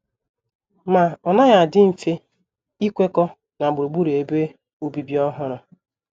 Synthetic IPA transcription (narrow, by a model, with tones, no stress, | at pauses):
ma˨ɔ˨na˦ɣa˨dɪ˦m̩˨fe˦ | i˦kʷe˦kɔ˦ | na˨ɡ͡bʊ˨ɾu˨ɡ͡bu˦ɾe˨be˦ | o˦bi˨bi˦ɔ˦ɦʊ˦ɾʊ˨